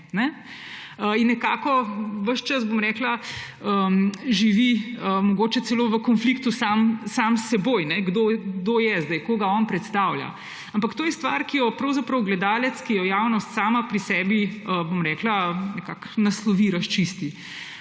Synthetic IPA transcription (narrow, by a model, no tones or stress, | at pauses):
nɛ | əinːɛkaːkɔʋəʃt͡ʃɐsbomɾɛːkla | əʒiʋiəmɔɡoːt͡ʃɛt̪sɛloːʋəkɔnflikt̪usamsamsːɛboːjnɛɡd̪oɡd̪ojɛzd̪ɛjkoɡaɔnpɾɛt̪st̪awlja̰ | ampakt̪oːjɛst̪ʋaɾkijɔpɾɐwzapɾɐwɡlɛd̪aːlɛt̪skijɔjawnɔst̪saːmapɾisɛbiəbomɾɛːklanɛkaknɐslɔʋiɾɐʃt͡ʃist̪i